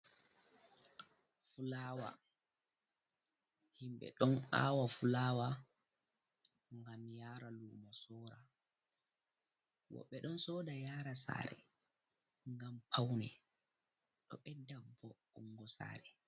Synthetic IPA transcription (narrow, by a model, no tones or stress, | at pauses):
fulaːwa̰ | himɓɛ̰ɗɔna̰ːwafulaːwa | ŋɡamjaːɾaluːmɔsɔːɾa | wɔ̰ɓːɛɗɔnsɔːdajaːɾasa̰ːɾɛ̰ | ŋɡampʰawnɛ | ɗɔ̰ɓɛdːabɔ | uŋɡɔsa̰ːɾɛ